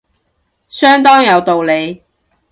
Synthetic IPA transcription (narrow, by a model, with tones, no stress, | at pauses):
sœː˥ŋt̪ɔː˥ŋjɐ˨˧wt̪o˨wle˨˧j